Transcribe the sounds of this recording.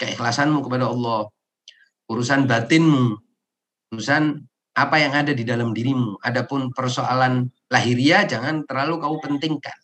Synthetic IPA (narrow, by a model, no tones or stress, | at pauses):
kəḭxlasanmukəpadaɔlˠːɔh | uɾusanbat̪ɪnmu | uɾusan | ʔapajaŋadadidalamdiɾimuʔadapʊnpərsoa̰lan | laɦiɾiad͡ʒaŋant̪ərlalukaupənt̪ɪŋka̰n